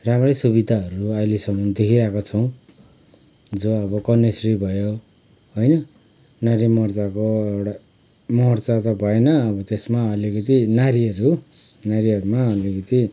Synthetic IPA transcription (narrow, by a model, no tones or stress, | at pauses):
ramrʌsuβid̪ʱaʌɾuajlesʌmʌnd̪ekʰiɾakot͡sʰʌw̃ | d͡zoʌβʌkʌnesribʱʌjo | ɦojnʌ | naɾimʌrt͡sakoewɽa | mʌrt͡sat̪ʌbʱʌenʌːbʌt̪esmaʌlikʌt̪inaɾiʌɾu | naɾiʌɾumaʌlikʌt̪i